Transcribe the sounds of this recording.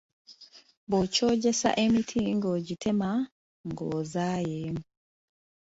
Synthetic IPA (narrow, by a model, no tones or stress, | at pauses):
bot͡ʃoɟɛsa̰ʔemitʰiŋɡoɟitʰɛma | ŋɡɔzajemu